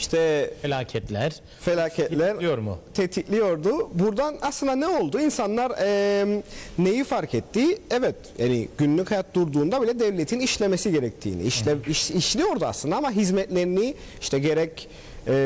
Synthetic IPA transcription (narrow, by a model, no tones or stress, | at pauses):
iʃt̪ʰɛelʲaːcʰɛt̪lʲæɾ | felʲaːcʰɛt̪lʲæɾijoɾmṵt̪ʰet̪ʰiclʲijo̞ɾd̪ʊbuɾd̪anaslɯnd̪anɛo̞lˠd̪uinsanlˠaɾɛmne̞jifaɾcʰɛt̪ʰːiɛvɛt̪̚ja̰ːnḭɟ̥ynlʲychajat̪̚d̪uɾd̪uːnd̪abilʲɛd̪ɛvlʲet̪ʰiniʃlʲe̞mesiɟe̞ɾɛc̚t̪ʰḭːnḭiʃɛiʃiʃlʲijo̞ɾd̪ua̰slˠɯnd̪aamaɦizmɛt̪lʲe̞ɾini | iʃt̪ʰɛɟe̞ɾɛc | ɛ